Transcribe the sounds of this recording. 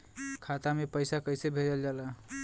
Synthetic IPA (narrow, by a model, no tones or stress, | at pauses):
kʰat̪amepəjsakəjsebʱeɾəld͡ʒala